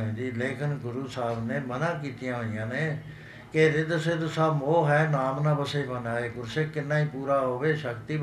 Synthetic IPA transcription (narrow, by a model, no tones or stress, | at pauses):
ẽːd̪iːleːkɪnɡʊɾuːsaːbneːmənãːkiːt̪ijãːɦoːijãːneː | keɾɪd̪əseːd̪osaːmoːɦɛːnaːmnãːpəseːbənaːeːkʊɾseːkɪnːaːiːpuːɾaːɦoːʋeːʃəkt̪iː